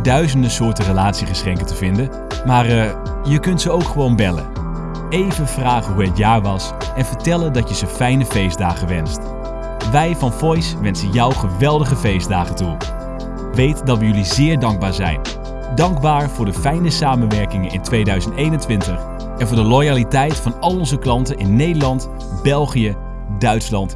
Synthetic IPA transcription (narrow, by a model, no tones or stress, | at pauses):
dœɥzəndəsʊːɹtərəlaːtsiχəsχɛŋkəntəvɪndən | maːrə | jəkɵntsəowkχəʋownbɛlə̰ | ejvənv̥raːχəɦuɦətjaːɹʋɑs | ɛnvəɹtɛləndɑtjəzəfɛjnəfejzdaːχəʋɛnst | ʋɛjvɑnfɔjsʋɛnsənjɑwχəʋɛlˠdəχəvejzdaːχəntu | ʋejtdɑtʋəjɵlizɪːɹdɑŋɡ̚baːɹzɛ̰jn | dɑŋɡbaːɹv̥ʊːɹdəfɛjnəsaːmənʋɛɹkɪŋənɪ̰ntʋejdœɥzəntejnəntʋɪntəχ | ɛnvʊːɹdəlojalitɛjtfɑnɑlˠɔnzəklɑntənɪnːejdəɹlɑnt | b̥ɛlˠχijə | dœɥtslɑnt